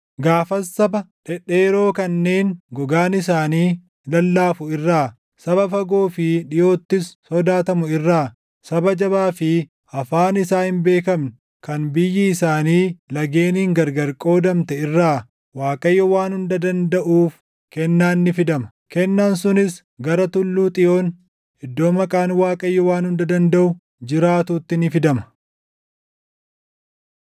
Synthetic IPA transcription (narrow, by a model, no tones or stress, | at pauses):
ɡaːfɐsːɐbɐᶑɛᶑːeːɾo̞ːkɐnːe̞ːnɡɔɡaːnɪs̬aːniː | lɐlːaːfʊɪrːaː | sɐbɐfɐɡoːfɪᶑɪjo̞ːt̪ːɪsːɔd̪aːt̪ɐmʊɪrːaː | sɐbɐd͡ʒɐbaːfɪ | ɐfaːnɪsaːhɪmbe̞ːkɐmnʊ | kɐnbɪjːɪːsaːniːlɐɡeːniːŋɡɐɾɡɐɾkʼo̞ːd̪ɐmt̪ɛɪrːaː | waːkʼɐjːɔwaːnhʊnd̪ɐd̪ɐnd̪ɐʔuːf | kɛnːaːnːɪfɪd̪ɐmɐ̥ | kɛnːaːnsʊnɪs | ɡɐɾɐt̪ʊlːuːt̪ʼɪjo̞ːn | hɪd̪ːo̞ːmɐkʼaːnwaːkʼɐjːɔwaːnhʊnd̪ɐd̪ɐnd̪ɐʔʊ | d͡ʒɪɾaːt̪uːt̪ːɪnɪfɪd̪ɐmɐ̥